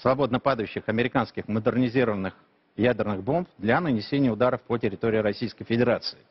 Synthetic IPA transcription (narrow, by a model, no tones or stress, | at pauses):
svɐbo̞d̪nəpad̪əjʉɕːɪxɐmʲɪɾʲɪkanskʲɪxməd̪ɨrnʲɪzʲiɾəvənːɨx | jædʲɪrnɨɣbo̞mpd̪lʲanənʲɪsʲenʲɪjəʊd̪aɾəfpətʲɪɾʲɪt̪oɾʲɪɪɾɐsʲijskəjfʲɪdʲɪɾat̪sɨɪ